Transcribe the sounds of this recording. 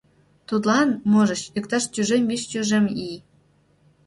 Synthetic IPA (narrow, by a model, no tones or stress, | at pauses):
t̪ud̪lɑnmoʒə̆ɕykt̪ɑʃtʲyʒembiʃt͡ɕʲyʒemi